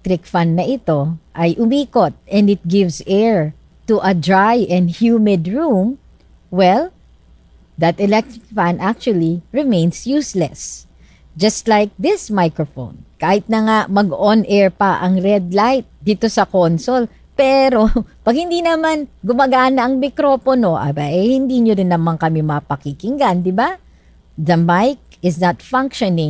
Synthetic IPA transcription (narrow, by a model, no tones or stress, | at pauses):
t̪ɾɪkfanːɐʔɪt̪o̞ʔɐjʔʊmiːkot̪̚ʔɛ̃nɪt̪̚ɡɪvsɛɹ | t̪uʔɐd̪ɹajʔɛ̃nd̪hjuːmɪd̪ɹum | wɛl | d̪ɐt̪ɛlɛk̚t̪ɾɪk̚fãnd̪ʔak̚t͡ʃʊwɐliɹɪmẽjnsjuːslɛ̰s | d͡ʒɐst̪lajk̚d̪ɪsmajkɹofo̰nkaːhɪt̪̚nɐŋaʔmɐɡʔonʔɛɹpɐʔɐŋɾɛd̪̚lajt̪̚d̪iːt̪o̞sɐkonsol | pɛɾo̞pɐɡ̚hɪnd̪inɐmanɡʊmɐɡaːnɐɐŋmɪkɾofono̞ʔa̰baʔɛhɪnd̪iɲoɾɪnːɐmanŋkɐmɪmɐpɐkikɪŋɡand̪ɪba | ðɐmajk̚ | ɪsnɐt̪fãŋkʃonɪ̃ŋ